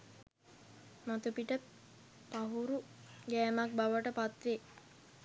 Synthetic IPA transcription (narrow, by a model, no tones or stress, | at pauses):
mat̪upiʈə | paɦuɾuɡɛːmak̚baʋəʈəpat̪ʋe